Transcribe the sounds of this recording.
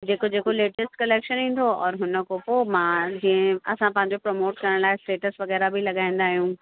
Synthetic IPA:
d͡ʑeːkod͡ʑeːkoleːʈəsʈkɐleːkʃənɦĩːn̆d̪oɔːɾɦʊnə̆kopoːmãːd͡ʑiːə̃ɐsãpɐ̃ɦɪ̃ɲ̆d͡ʑopɾomoːʈkɐɾəɽ̃laːɪsʈeːʈəsʋɐɣɛːɾabʱilɐɠaːĩːn̆d̪aːɦijũː

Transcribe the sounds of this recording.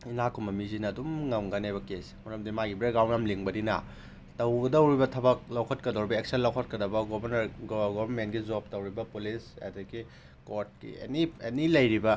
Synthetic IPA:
inakumɐmizinɐːdumŋɐmɡɐnebɐkesmuɾɐmdimaɡibɾeɡɾawnɐmliŋbɐdinɐ̰ | tɐwɡɐdɐwɾibɐtʰɐbɐk̚lɐwkʰɐtkɐdɐwɾibɐek̚senlɐwkʰɐt̚kɐdɐbɐɡobɐnɐɾɡɡobmenɡid͡ʒop̚tɐwɾibɐpulisḛdɐɡi | koɾt̚kḭḛnienilɐjɾibɐ

